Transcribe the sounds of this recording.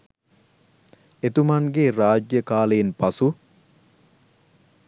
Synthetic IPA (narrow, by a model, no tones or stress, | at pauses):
et̪umanɡeraːd͡ʒjəkaːləjinpɐsu